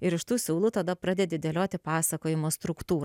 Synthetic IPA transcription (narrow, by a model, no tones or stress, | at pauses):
ɪɾɪʃt̪uːsʲuːlˠut̪ɐd̪ɐpɾɑːd̪ʲed̪ʲɪd̪ʲelʲoːt̪ʲɪpɑːsɐkoːjɪmoːst̪ɾʊkt̪uːɾ